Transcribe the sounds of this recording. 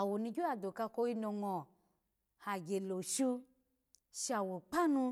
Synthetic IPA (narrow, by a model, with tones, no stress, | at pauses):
a˨wo˨nũ˧ɡʲo˦a˨do˨ka˧ko˧i˧nõ˧ŋɔ˨ | ha˨ɡʲe˨lo˨ʃi˧ | ʃi˧a˨wo˨k͡pa˦nũ˧